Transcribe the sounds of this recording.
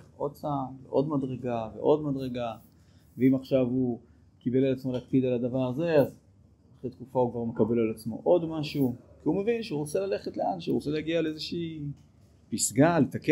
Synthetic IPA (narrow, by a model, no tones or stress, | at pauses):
od̚t͡samveʔo̞d̪mad̪ʁe̞ɡavḛʔo̞d̪mad̪ʁeɡa | veimaχʃavu | kibe̞lalat͡smo̞leakpid̪alad̪avaʁaze̞az | aχet̪kufaukvaʁme̞kabe̞lalat͡smo̞̰ʔo̞d̪maʃukiume̞vinʃeuʁot͡se̞lale̞χetleanʃṵʁot͡se̞leaɡialezeʃiː | pisɡalet̪ake